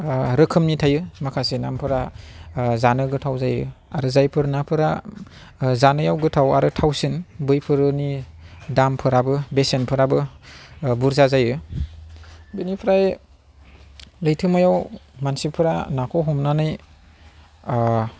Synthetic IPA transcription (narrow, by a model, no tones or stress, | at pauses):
ɾɯkʰɯmnitʰajɯmakʰasenampʰɯɾa | zanɯɡɯtʰawzajɯ | aɾɯzajpʰɯɾnapʰɯɾa | zanɯjawɡɯtʰawaɾɯtʰawsɯnbɯjpʰɯɾɯni | dampʰɯɾabɯbesenpʰɯɾabɯ | buɾzazajɯ | bɯnipʰɾaj | lɯjtʰɯmɯjawmansipʰɯɾanakʰɔɦɔmnanɯj